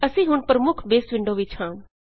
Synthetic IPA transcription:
əsĩːɦʊɳpəɾəmʊkʰbeːsʋɪɳɖoːʋɪt͡ʃhãː

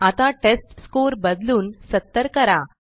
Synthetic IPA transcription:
at̪ãʈesʈskoɾbəd̪luːnsət̪ːəɾkəɾa

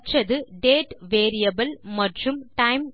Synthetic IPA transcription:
t͡ʃːɐðɨɖeːʈʋeːɾijɐbɐlmɐʈrumʈɐjm

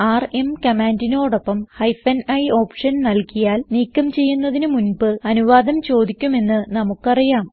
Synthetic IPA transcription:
aːre̞mkɐmaːndino̞ːɽo̞pːɐmhɐjfɐnɐjo̞ːpʂɐnnɐlkijaːlniːkːɐmt͡ɕe̞jːunːɐðinɨmunbɨɐnuʋaːd̪ɐmt͡ɕo̞ːd̪ikʲːume̞nːɨnɐmukːɐrijaːm

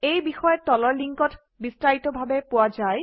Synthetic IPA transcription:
ejbixɔjɔtɔlɔɹliŋkɔt | bistɹaitɔbʱabepowad͡ʒaj

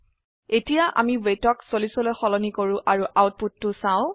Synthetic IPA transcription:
etijaʔa̰miwejtɔksolisɔlojxɔlɔnikoɹʊ̃ʔaɹuʔawt̚putːʊsãʊ̃

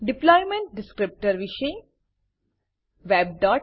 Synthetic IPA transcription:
ɖɪplɔːjmẽɳʈ̚ɖɪskɾɪp̚ʈəɾʋɪʃe | ʋeːb̚ɖɔːʈ

